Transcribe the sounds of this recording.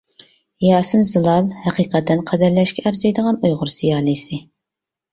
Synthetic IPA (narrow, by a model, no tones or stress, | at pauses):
jɑːsɨnzɨlˠɑlˠhɛqiqɛt̪ːɛnqʰæd̪æɾlɛʃkʲʰɛæɾzejd̪əʁɑnujʁʊɾsijɑːlˠɨsɨ